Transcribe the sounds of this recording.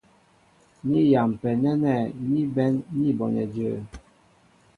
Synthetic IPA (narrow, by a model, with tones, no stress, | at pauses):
ni˦ja˨m˨pɛ˨nɛ˦nɛ˦˨ni˦bɛ˦nːi˦bɔ˨nɛ̰˨də˨